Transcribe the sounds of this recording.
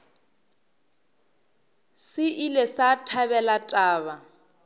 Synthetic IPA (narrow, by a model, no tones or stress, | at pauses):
sɪʔilesatʰaβɛlatʼaːβa